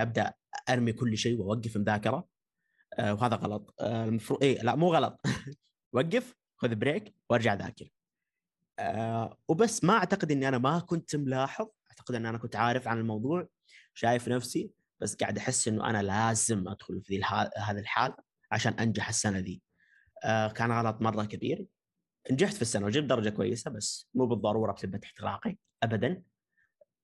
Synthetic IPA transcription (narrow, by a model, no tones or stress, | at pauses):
ʔab̚d̪aʔ | ʔɑɾˤmikʊlːʃeːwʔawaɡːɪfmʊðaːkɪɾˤɑ | wɦaːðaɣɑ̰lɑt̪ˤlmɑfɾˤuːʔeːlaʔmuːɣɑlɑt̪ˤ | waɡːɪf | xʊðbɾeːkwʔɑɾˤd͡ʒaʕða̰ːkɪɾ | wbasːmaʔaʕt̪aqɪd̪ʔɪnːʔanamakʊnt̪mlaːħɨðˤʔaʕt̪aqɪd̪ʔɪnːʔanakʊnt̪ʕaːɾɪfʕanɪlmɑwðˤuːʕ | ʃaːjɪfnafsi | b̥asːɡa̰ʕɪd̪ʔaħɪsːʔɪnːṵʔa̰nalaːzɪmʔa̰d̪̥xʊlfiðiːaːhaːðilħaːla | ʕa̰ʃaːnʔand͡ʒaħɪsːanaðiː | kaːnɣɑːlɑt̪ˤmɑrˤːɑkabḭːɾ | ʔɪnd͡ʒaħt̪fisːanawd͡ʒiːb̚d̪ɑɾˤɑd͡ʒakʊwa̰jːɪsabasːmuːbɨðˤːɑɾˤuːɾˤɑbθɪbːat̪ɪ̥ħt̪ɪɾʔɑ̰ːqi | ʔabad̪an